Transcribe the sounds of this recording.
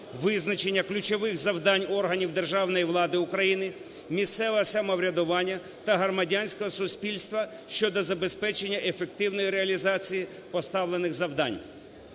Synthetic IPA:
ʋɪznɐt͡ʃe̞nʲːɐklʲʊt͡ʃɔʋɪxzɐwd̪ɑnʲɔrɦɐnʲiwd̪e̞rʒɑwnɔjiʋlˠɑd̪ɪʊkɾɐjinɪ | mʲist̪sɛʋɐsɐmɐʋɾʲɐd̪ʊʋɑnʲːɐ | t̪ɐɦrɔmɐdʲanʲsʲkɔɦɔsʊsʲpʲilʲst̪ʋɐ | ʃt͡ʃɔd̪ɔzɐbe̞spɛt͡ʃenʲːɐʔefe̞kt̪ɪwnɔjiɾeɐlʲizɑt͡sʲiji | pɔst̪ɑwlˠenɪxzɐwd̪ɑ̰nʲ

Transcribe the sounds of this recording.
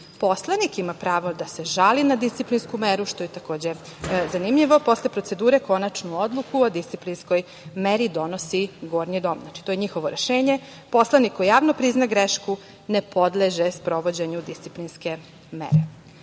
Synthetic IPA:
po̞slˠanikimapɾaːʋo̞d̪ase̞ʒalinad̪ist̪siplinskumeɾuʃt̪o̞jet̪ako̞ːd͡ʑe | zanimʎiʋo̞po̞slepɾo̞t̪sed̪uːɾe̞ko̞nat͡ʃnuo̞d̪lˠukuod̪ist̪siplinsko̞j | meɾid̪o̞nosiɡo̞ːɾnid̪o̞ːmnat͡ʃi̥t̪ojeɲixo̞ʋo̞ɾeʃeːɲe̞ | po̞slˠanikːo̞jjaːʋnopɾiznaɡɾeʃku | nepo̞d̪leʒespɾo̞ʋo̞d͡ʑeɲud̪ist̪siplinske̞ | mḛɾe

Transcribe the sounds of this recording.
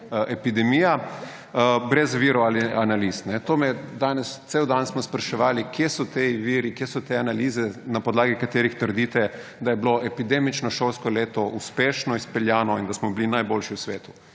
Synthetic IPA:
ʔɛpid̪ɛmija | bɾɛzʋiːɾɔalianalisnɛt̪oːmɛd̪aːnɛst̪sewd̪ansmɔspɾaʃɛʋaːlikjesɔt̪eʋiːɾikjesɔt̪eanaliːzɛnapɔd̪laːɡikat̪eːɾixt̪əɾd̪iːt̪ɛ | d̪ajɛbloʔɛpid̪eːmit͡ʃnɔʃolskɔleːt̪ɔʔuspeːʃnɔispɛljaːnɔind̪asmɔblinajbolʃiwsʋeːt̪u̥

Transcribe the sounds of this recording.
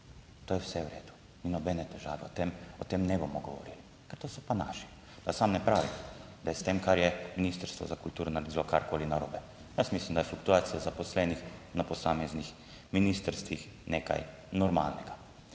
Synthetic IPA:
t̪oːjɛwsɛwɾeːd̪u̥ | minɔbɛnɛt̪ɛʒaːʋɛ̰ɔt̪emɔt̪emnɛbomɔɡɔ̰ʋɔ̰ɾḭli | kɛɾt̪oːsɔ̥panaːʃi̥ | d̪asamnɛpɾaːʋimd̪ajɛst̪emkaɾjɛminist̪əɾst̪ʋɔ̰zakult̪uːɾɔnaɾɛd̪ilɔkaɾkoːlinaɾo̰ːbɛ | jasmislimd̪ajflukt̪uaːt̪sijazapɔslɛnixnapɔsaːmɛznix | minist̪əɾst̪ʋix | neːka̰j | nɔɾma̰ːlnɛɡa

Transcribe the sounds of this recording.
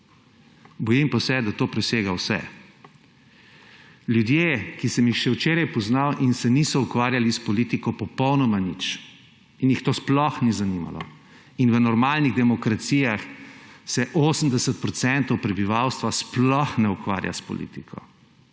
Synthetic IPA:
bɔjimpasɛd̪at̪oːpɾɛseːɡawsɛ̰ | ljud̪jekisɛmjixʃɛwt͡ʃeːɾajpɔznawʔinsɛnisɔukʋaːɾjalispɔlit̪ikɔpɔpɔwnɔmanit͡ʃ | injixt̪oːsplɔxnizanima̰lɔ̰ | inʋənɔɾmaːlniɣd̪ɛmɔkɾat̪siːjaxsɛʔoːsən̩d̪ɛsət̪̚pɾɔt̪sɛnt̪ɔwpɾɛbiʋawst̪ʋasplɔxnɛukʋa̰ːɾja̰spɔ̰lḭːt̪ikʰɔ̰

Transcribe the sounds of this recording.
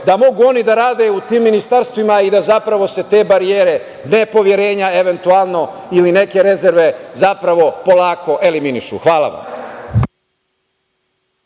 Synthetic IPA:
d̪amo̞ɡuo̞nid̪aɾaːd̪e̞ut̪iːmːinist̪aɾst̪ʋimaid̪azapɾaʋo̞se̞t̪e̞ːbaɾijeːɾe̞ | nepo̞ʋje̞ɾe̞ːɲaeʋe̞nt̪uaːlˠno̞iline̞ke̞ɾe̞zeɾʋe̞zapɾaʋo̞po̞laːko̞ʔe̞liminiʃṵxʋaːlˠa̰ʋa̰m

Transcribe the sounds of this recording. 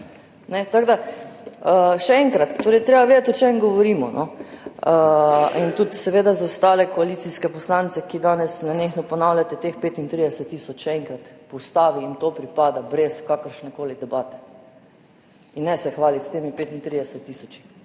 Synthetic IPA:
nɛt̪aɡd̪a | əʃɛɛŋkɾat̪t̪ːoːɾɛjt̪ɾeːbaʋed̪at̪ɔt͡ʃemɡɔʋɔɾiːmɔ̰nʔɔ̰əint̪ut̪sɛʋeːd̪azawst̪aːlɛkɔalit̪siskɛpɔslaːnt̪sɛkid̪aːnɛsnanexnɔpɔnawljat̪ɛt̪expeːt̪int̪ɾid̪ɛsɛt̪ːiːsɔt͡ʃʃɛɛŋkɾat̪pɔst̪aːʋiimt̪oːpɾipaːd̪abɾɛskakəɾʃnɛkoːlid̪ɛbaːt̪ɛ̥ | inːɛsɛxʋaːlit̪st̪eːmipeːt̪int̪ɾid̪ɛsɛt̪ːisɔt͡ʃi̥

